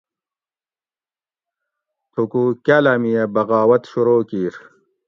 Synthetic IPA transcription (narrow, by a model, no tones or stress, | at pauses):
t̪ʰukukalɐmijɐbɐɣaːwɐt̪ɕuɾoːkiːɾ